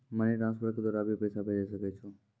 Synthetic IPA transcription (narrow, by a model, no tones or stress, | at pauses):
məniʈɾãnspəɾked̪oɾabipəjsaped͡ʒesəket͡ʃʰo